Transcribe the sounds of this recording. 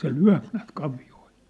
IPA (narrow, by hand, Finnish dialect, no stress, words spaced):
se lyæ̝p næːt kɑʋioil